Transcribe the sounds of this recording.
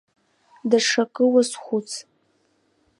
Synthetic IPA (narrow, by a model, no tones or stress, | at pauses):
daʂakʼɨwasχʷʊt͡sʰ